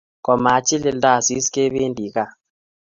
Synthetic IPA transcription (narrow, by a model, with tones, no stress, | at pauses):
kɔ˨ma˨˦t͡ʃɪ˦lɪ˨lda˦˨si˦ske˦βe˦ndi˨ka˦